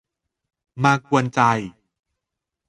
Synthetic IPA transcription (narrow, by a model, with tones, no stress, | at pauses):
maː˧ku˧ənt͡ɕa˧j